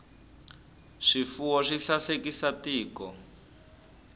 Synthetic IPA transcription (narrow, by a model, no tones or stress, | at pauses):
ʂifuwɔʂiɬasekisatiːkɔ